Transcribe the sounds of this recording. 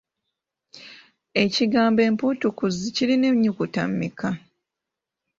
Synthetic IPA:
e̞ciɡaːmbe̞ːmpuːtukuziciline̞ɲːukuta̰mːika

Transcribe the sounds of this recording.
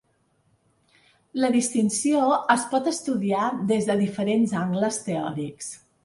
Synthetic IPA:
ləðist̪insioəspɔt̪əst̪uðiaðezðəðifəɾenzaŋɡləst̪eɔ̰ɾiks

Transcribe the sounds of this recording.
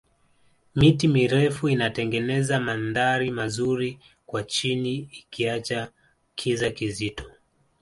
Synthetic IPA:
mitimiɾɛfuinatɛŋɡɛnɛzamanðaɾimazuɾi | kwat͡ʃiniːkiat͡ʃa | kʰizakizitɔ̥

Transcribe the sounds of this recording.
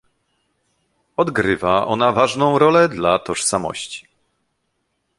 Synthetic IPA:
ɔd̪ɡɾɘvaʔɔnavaʐnɔ̃w̃ɾɔlɛd̪lat̪ɔʂsamɔ̰ɕt͡ɕi̥

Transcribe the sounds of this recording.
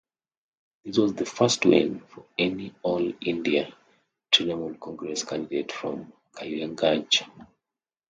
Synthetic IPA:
ðiswɔzðəfastwḛ̃nfɔɛniɔlĩndia | tʰɹinamɔ̃lkʰɔ̃ŋɡɹɛskʰãndidetfɹɔ̃m | kʰaãŋɡãnt͡ʃḁ

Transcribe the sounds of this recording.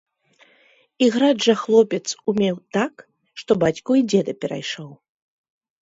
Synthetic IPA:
iɣɾaʐɐxlˠɔpʲɛt̪sumʲɛwt̪ak | ʂt̪ɔbat͡sʲkuid͡zʲɛd̪ɐpʲɛɾa̰jʂɔw

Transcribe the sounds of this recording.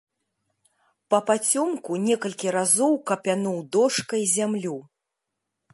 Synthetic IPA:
pɐpat͡sʲɔmkunʲɛkɐlʲkʲiɾazɔwkɐpʲanuwd̪ɔʂkɐjzʲamlʲu

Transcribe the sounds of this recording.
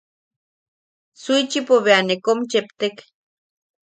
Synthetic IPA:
suit͡ʃipoβeanekomt͡ʃept̪ek

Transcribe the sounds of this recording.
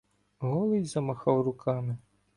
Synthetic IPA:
ɣɔlˠɨjʲzɐmaxawrukamɨ

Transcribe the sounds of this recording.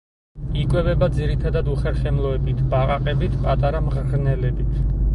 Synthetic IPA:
ikʼwɛvɛbad̪ziɾit̪ʰad̪ad̪uχɛɾχɛmlˠɔɛbit̪ʰbaʁaqʼɛbit̪ʰpʼat̪ʼaɾamʁɾnɛlɛbit̪ʰ

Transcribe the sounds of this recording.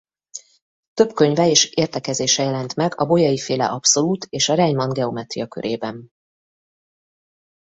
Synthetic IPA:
t̪ø̞bkø̞ɲvɛeːʃeːrt̪ɛkɛzeːʃɛjɛlɛnt̪mɛɡɒbo̞jɒjifeːlɛ̰ʔɒpso̞luːt̪ʰeːʃɒɾɛɲmɒnɡɛomɛt̪rijɒkø̰ɾʔeːbɛn

